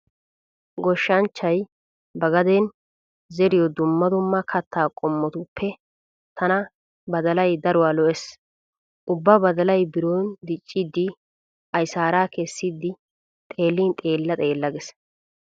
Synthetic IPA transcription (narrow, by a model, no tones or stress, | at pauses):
ɡɔʃːɐnt͡ʃːɐj | bɐɡɐd̪eːn | zɛɾɪjɔd̪ʊmːɐd̪ʊmːɐkʰɐt̪ʰːaːkʼɔmːɔt̪ʊpʰːɛ | t̪ʰɐnɐ | bɐd̪ɐlɐjd̪ɐɾʊwaːlɔʔɛs | ʔʊbːabɐd̪ɐlɐjbɪɾoːnd̪ɪt͡ʃʼːid̪ːɪ | ʔɐjsaːɾaːkɛsːid̪ːɪ | t̪ʼe̞ːlːiːnt̪ʼe̞ːlːɐt̪ʼe̞ːlːɐɡɛs